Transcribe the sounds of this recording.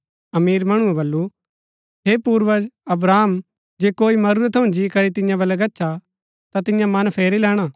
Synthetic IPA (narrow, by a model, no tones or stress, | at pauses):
ɐmiːɾmɐɽ̃ũɛ̃bɐlːu | ɦeːpuːɾʋəd͡ʒɐbɾaːm | d͡ʒeːkoːimɐɾuɾət̪ʰːɐũd͡ʒiːkɐɾit̪ɪ̃jãbɐlɛɡɐtːʃʰa | t̪at̪ɪ̃jãmɐnpʰeːɾilɛːɽ̃aː